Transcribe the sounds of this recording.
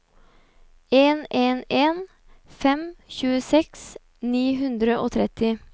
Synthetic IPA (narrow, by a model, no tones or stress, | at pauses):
eːneːneːn | fɛmçʉːəsɛks | niːɦʉnd̪ɾəʔoːt̪ʰɾɛt̪ɪ